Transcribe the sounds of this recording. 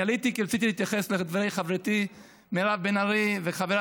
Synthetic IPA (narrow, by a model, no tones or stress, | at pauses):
alit̪ikiɾat͡sit̪ilit̪jaχesled̪vaɾejχavɾit̪i | melavbenaɾiveχaveɾa